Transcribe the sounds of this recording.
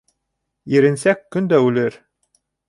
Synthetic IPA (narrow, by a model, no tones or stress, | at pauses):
iɾɘ̆nsækːɵnd̪æʉlɘɾ